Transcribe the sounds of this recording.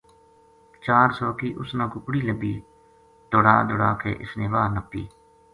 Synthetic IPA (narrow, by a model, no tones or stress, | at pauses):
t͡ʃaːɾsɔːkiːʔʊsnãːkʊkɽiːləbiː | d̪oɽaːd̪ʊɽaːkḛːʔɪsneːʋaːnəpːḭː